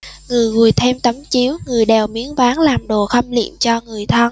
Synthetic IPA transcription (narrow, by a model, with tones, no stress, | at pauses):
ŋɨ˨˩əjɣu˨˩əjt̪ʰɛ˧mt̪ə˨˦mt͡ɕi˨˦əwŋɨ˨˩əjɗɛ˨˩wmi˨˦ənvaː˨˦ŋlaː˨˩mɗo˨˩xə˧mlḭ˧˨əmt͡ɕɔ˧ŋɨ˨˩əjt̪ʰə˧n